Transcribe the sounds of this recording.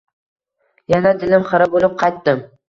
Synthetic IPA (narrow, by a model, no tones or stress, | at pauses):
janad̪ɪlɪmχɨɾɪbolˠɪp̚qʰɑjt̪̚ːɪm